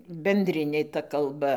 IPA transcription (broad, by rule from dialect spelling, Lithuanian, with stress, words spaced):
bʲɛnʲˈdʲrʲɪnʲeː tɐ kɐlˠˈbɐ